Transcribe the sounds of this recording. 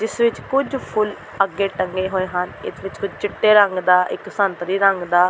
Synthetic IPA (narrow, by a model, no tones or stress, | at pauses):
d͡ʒɪsʋɪt͡ʃkʊd͡ʒpʰʊl | əɡeːʈəŋɡeːɦoːeːɦənɪsʋɪt͡ʃkʊd͡ʒt͡ʃɪʈːeːɾəŋɡd̪aːʔɪksənt̪ɾiːɾəŋɡd̪aː